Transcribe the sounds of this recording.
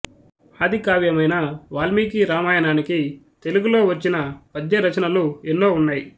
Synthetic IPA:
aːd̪ʱikaːʋjɐmɐjnɐʋaːlmiːkiɾaːmaːjɐnaːniki | t̪e̞luɡulo̞ːʋɐt͡ʃːinɐpɐd̪jɐɾɐt͡ʃɐnɐluenːo̞ːunːaːji

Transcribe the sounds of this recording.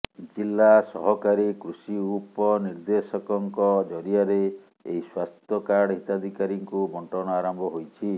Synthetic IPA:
d͡ʒilːasɔɦɔkaɾikɾusiupɔniɾd̪esɔkɔŋkɔd͡ʒɔɾiaɾe | ḛiswast̪ʰɔkaɽɦit̪ad̪ʱikaɾiŋkubɔɳʈɔɽɔaɾɔmbʱɔɦojt͡ʃʰi

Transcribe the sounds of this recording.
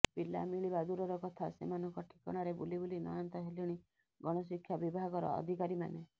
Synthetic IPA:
pila̰miɭibad̪uɾɔɾɔkɔt̪ʰasḛmanɔŋkɔʈʰi̥kɔɽ̃ɔɾebulibolinɔ̰jɔnt̪ɔɦeliɽ̃i | ɡɔɽ̃ɔs̬ikʰjabibʱaɡɔɾɔ̰ɔ̰d̪ʱikaɾima̰ne

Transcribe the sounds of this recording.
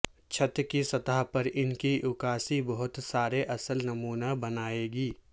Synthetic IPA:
t͡ʃʰɐt̪kisɐt̪aɦpɐɾɪnkiʔʊkaːsibɐɦʊt̪saːɾeʔɐsəlnɐmuːnabɐnaːeːɡiː

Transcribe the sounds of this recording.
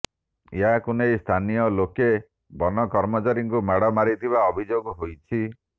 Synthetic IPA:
eɦakunejst̪ʰanijɔloke | bɔnɔkɔɾmɔt͡ʃaɾiŋkumaɽɔmaɾit̪ʰibaɔbʱid͡ʒoɡɔɦojt͡ʃʰi

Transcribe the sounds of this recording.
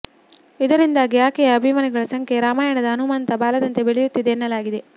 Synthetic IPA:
id̪ɐɾind̪aːɡijaːkɛjɐːbʱimɐniɡɐɭɐsɐŋkʰe̞ɾaːmaːjɐɳɐd̪ɐːnumaːnɐt̪ɐbaːlɐd̪ɐnt̪e̞beɭɛjut̪ːid̪eːnːɐlaːɡid̪e̞

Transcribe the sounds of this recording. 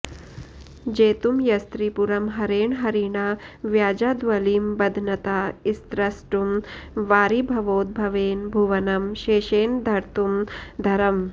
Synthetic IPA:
d͡ʒeːt̪umjɐst̪ɾipuɾɐmɦɐɾeːɳɦɐɾiːɳaːʋjaːd͡ʒaːd̪ʋɐliːmbɐd̪ʱnɐt̪aːist̪ɾɐsʈumʋaːɾibʱɐʋoːd̪̚bʱɐʋeːnbʱuʋɐnɐmʃeːʃeːnd̪ʱɐɾt̪umd̪ʱɐɾɐm

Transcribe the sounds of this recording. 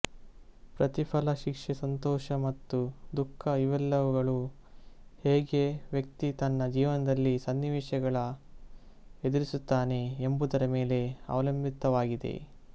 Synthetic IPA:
pɾɐt̪ipʰɐlɐʃikʂesɐnt̪ɔːʃɐmɐt̪ːud̪ukʰːɐiʋɐlːɐʋuɡɐɭu | heːɡeʋjɐk̚t̪it̪ɐnːɐd͡ʒiːʋɐnɐd̪ɐlːisɐnːiʋɛːʃɐɡɐɭɐ | ed̪uɾisut̪ːaːne̞ːmbud̪ɐɾɐme̞ːle̞ɐ̰ʋɐlɐmbʱit̪ɐʋaːɡid̪e̞̰

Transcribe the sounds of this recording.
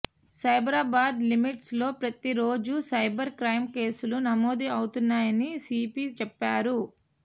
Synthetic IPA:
sɐjbɾaːbaːd̪limiʈslo̞ːpɾɐt̪iɾo̞ːd͡ʒusɐjbɐɾkɾɐjmke̞ːsulunɐmoːd̪iɐwut̪unːaːjɐnisiːpiːst͡ʃɛpːaːɾu

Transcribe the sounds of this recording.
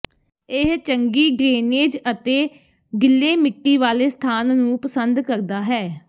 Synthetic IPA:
ɪɦt͡ʃəŋɡiːɡɾeːneːd͡ʒət̪eː | ɡɪlːeːmɪkːiːʋaːleːst̪ʰaːnnũːpəsənd̪kəɾd̪aːɦɛː

